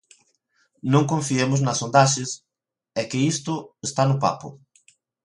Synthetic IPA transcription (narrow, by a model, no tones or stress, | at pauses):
nõŋkõɱfiemʊznɐsond̪aʃɪs | ɛkɪist̪ʊest̪anʊpa̰pʊ̰